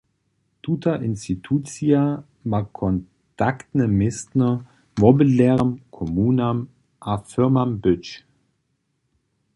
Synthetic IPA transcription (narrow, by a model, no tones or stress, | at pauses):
tʰuːtaʔɪnstitʰuːt͡sia | makʰɔn | tʰaktnəmɪstnɐ | mɔbilɛʁəmkʰɔmuːnam | ʔafɪɐmambʏt͡ʃ